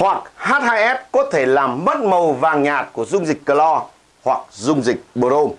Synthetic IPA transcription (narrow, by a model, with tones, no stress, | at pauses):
hwa˨˩k̚haː˦˥t̚haː˧jʔɛ˦˥p̚kɔ˨˦t̪ʰe˧˩laː˨˩mɓə˦˥t̚mə˨˩wvaː˨˩ŋɲaː˨˩t̚ku˧˩əzʊ˧ŋ͡mzï˨˩k̟̚kə˧˩lɔ˧ | hwa˨˩k̚zʊ˧ŋ͡mzï˨˩k̚ɓo˨˧˩ɾo˧